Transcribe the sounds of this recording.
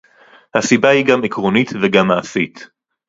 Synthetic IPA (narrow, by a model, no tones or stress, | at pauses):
hasibahiɡamikʁonit̪veɡamːaasit̪